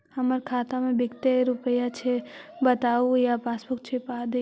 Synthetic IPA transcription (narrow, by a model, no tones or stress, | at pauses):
həməɾkʰaːt̪amẽbɪɡt̪eɾupəjat͡ʃʰebət̪aujapaspək̚t͡ʃʰepad̪